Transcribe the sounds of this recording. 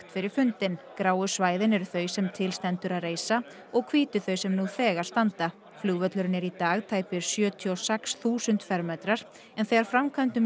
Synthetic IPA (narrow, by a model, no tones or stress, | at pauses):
t̪fɪɾɪɾ̥fʏnt̪ɪnkɾaːwʏsvaːjðɪnɛɾʏθœɥsɛmt̪ʰɪlst̪ɛnt̪ʏɾaðreːjsa | ɔɣkʰviːt̪ʏθœɥsɛmnuθɛːɣaɾ̥st̪ant̪a | flʏːɣvœt̪lʏɾɪnɛɾit̪aːɣt̪ʰaːjpɪɾ̥sjœːt̪ʰiɔsɛksθuːsʏnt̪fɛɾmɛt̪ɾaɾ̥ | ɛnθejɣaɾ̥fɾamkʰant̪ʏm